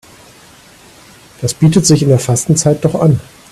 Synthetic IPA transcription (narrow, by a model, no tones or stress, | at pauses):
d̥asb̥iːtətz̥ɪçɪndeːɐfastn̩t͡saɪt̚d̥ɔχʔan